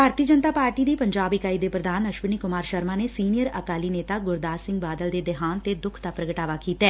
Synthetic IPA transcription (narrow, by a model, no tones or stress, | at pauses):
bʱaːɾt̪iːəd͡ʒənt̪aːpaːɾʈiːd̪iːpəɲd͡ʒaːbikaːiːd̪eːpɾəd̪aːnəʃʋəniːkʊmaːɾʃəɾmãːnesiːnijəɾəkaːliːneːt̪aːɡʊɾd̪aːsɪ̃ŋɡbaːd̪əld̪eːd̪ɪɦaːnt̪eːd̪ʊkʰd̪aːpɾəɡəʈaːʋaːkiːt̪ɛː